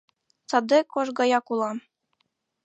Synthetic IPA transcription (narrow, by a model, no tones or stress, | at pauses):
t͡sɑd̪ɤkoʃɡɑjɑkulˠɑm